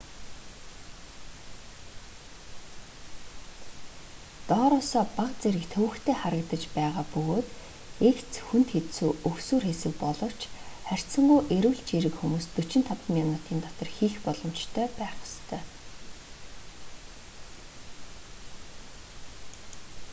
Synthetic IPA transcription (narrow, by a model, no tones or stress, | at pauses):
t̪ɔːɾɔːsɔːpaqt͡seɾɘ̆kt̪ʰɵwɘ̆kt̪ʰeːχaɾə̆kt̪ə̆t͡ɕpæːʁaːpɵɣoːt̪ | ekt͡sxunt̪xet̪suːʔɵksuːrxesɘ̆k̚pɔɮɞ̆w̥t͡ɕχær̥ʲt͡sə̆ɴɢujʔeɾɘ̆wɮt͡ɕiɾɘ̆kxumuːst̪ut͡ɕɪ̆n̥t̪ʰapmʲjɔnʊt̪iːnt̪ɔt̪ɞ̆rxiːxpɔɮɞ̆mt͡ɕt̪ʰœːpæːχʊ̥st̪ʰœː